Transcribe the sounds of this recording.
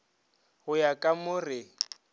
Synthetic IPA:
hʊjakʼamʊrɪ

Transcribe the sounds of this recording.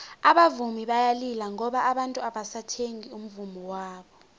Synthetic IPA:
aɓavumiɓajalilaŋɔɓaʔːɓantʼuaɓasatʰeŋium̩vumiwaːɓɔ

